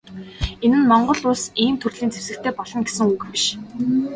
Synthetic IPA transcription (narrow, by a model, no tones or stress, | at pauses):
enɘ̆nmɔɴɢɞ̆ɮʊɮsiːmt̪ʰurɮiːnt͡sʰewsɘ̆kt̪ʰeːpɔɮɞ̆ŋɡesɘ̆ŋukpiʃ